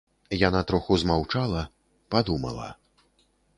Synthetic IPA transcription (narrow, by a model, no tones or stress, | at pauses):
janat̪ɾɔxuzmawt͡ʂalˠɐ | pad̪umɐ̰lˠɐ̰